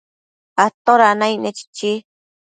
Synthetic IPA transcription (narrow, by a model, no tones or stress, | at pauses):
at̪oɾanajnet͡ʃi̥t͡ʃi